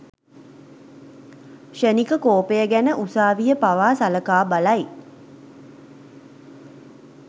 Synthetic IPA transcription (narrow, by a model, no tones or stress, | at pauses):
ʃenikəkoːpejəɡænəʔusaːʋijəpaʋaːsaləkaːbalaj